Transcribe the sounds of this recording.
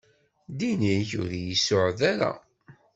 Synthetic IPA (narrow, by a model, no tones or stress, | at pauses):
d̪iniçʊ̰ɾjisːʊʕðæɾa̰